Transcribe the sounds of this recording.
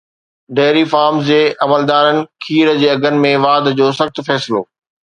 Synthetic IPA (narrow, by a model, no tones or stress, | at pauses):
ɖeːɾifaːɾmzd͡ʑeːʔɐməld̪aːɾənɪ̆kʰiːɾd͡ʑeːɐɡʱənɪ̆mẽʋaːd̪d͡ʑoːsɐxt̪fɛːsɪlo̰ː